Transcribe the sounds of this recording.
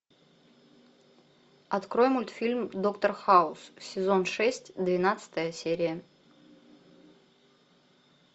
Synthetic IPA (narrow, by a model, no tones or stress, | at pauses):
ɐt̪kɾojmʊlʲt̪fʲilʲmd̪o̞kt̪ərxaʊsfsʲɪzonʂɛsʲtʲd̪vʲɪnat̪sɨ̥t̪əjəsʲeɾʲɪjə